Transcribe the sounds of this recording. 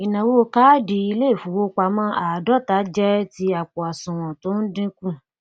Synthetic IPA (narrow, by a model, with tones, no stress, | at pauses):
i˨nã˨wo˦o˧ka˦di˧i˧le˦˨fu˨˦wo˦k͡pa˧˦mã˦ʔa˨dɔ˦˨ta˨˦d͡ʒɛ˦ti˧a˨k͡pɔ˨a˨sũ˨w̃ɔ̃˨to˨˦n̩˦dĩ˦kũ˦˨